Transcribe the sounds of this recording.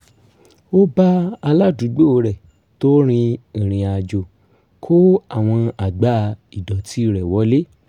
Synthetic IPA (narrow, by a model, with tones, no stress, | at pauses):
o˦ba˦a˧la˦du˨˦ɡ͡bo˦o˧ɾɛ˨ | to˦ɾ̃ĩ˧ĩ˨ɾ̃ĩ˨˧a˨d͡ʒo˧˨ | kʰo˦a˦˨w̃ɔ̃˧a˨ɡ͡ba˦˧i˨dɔ˨ti˦i˦˨ɾɛ˨wɔ˨˦le˦